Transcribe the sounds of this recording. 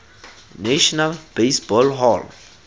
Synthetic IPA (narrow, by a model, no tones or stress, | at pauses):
naʃɔnalbesbɔlɦɔl